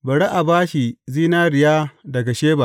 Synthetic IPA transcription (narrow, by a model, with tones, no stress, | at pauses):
bɐ˨ɽe˦ʔa˨baː˦ʃi˨ziː˦naː˦ɾɪ˨jaː˦dɐ˨ɡa˨ʃeː˦ba˨